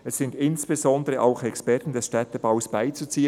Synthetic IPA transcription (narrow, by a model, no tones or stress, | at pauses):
ɛsːɪndɪnsb̥ezɔndəʁəʔaʊxɛkspɛɐtn̩dɛsʃtɛt̪əb̥aʊsb̥aɪt͡sut͡siːə